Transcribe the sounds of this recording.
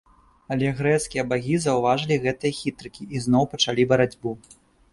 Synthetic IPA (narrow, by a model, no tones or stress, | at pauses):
ɐlʲɛɣɾɛt̪skʲijɐbaɣʲizɐwvaʐɨlʲiɣɛt̪ɨjɐxʲit̪ɾɨkʲiʔːznɔwpɐt͡ʂalʲibɐɾad͡zʲbu